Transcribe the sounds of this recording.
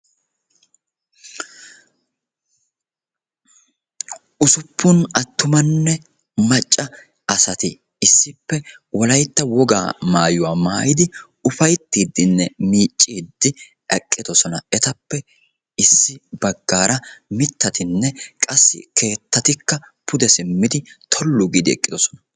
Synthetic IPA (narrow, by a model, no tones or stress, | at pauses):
ʔʊsʊpʰːʊnɐt̪ːʊmɐnːɛ | mɐt͡ʃʼːɐ | ɐsɐt̪ɪ | ɪsːɪpːɛwɔlɐjt̪ːɐwɔɡa̰ːmaːjʊwaːmaːjɪd̪ɪ | ʊfɐjt̪ːiːd̪ːɪnːɛmiːt͡ʃʼːiːd̪ːɪ | ɐkʼːɪd̪ɔsɔnɐɛt̪ɐpːɛ | ɪsːɪbɐɡːaːɾɐmɪt̪ːɐt̪ʰɪnːɛkʼɐsːɪ̰kʰe̞ːt̪ːɐt̪ɪkːɐ | pʰʊd̪ɛsɪmːɪd̪ɪt̪ʰɔlːʊɡɪd̪ɪɛ̰kʼːɪd̪ɔsɔnɐ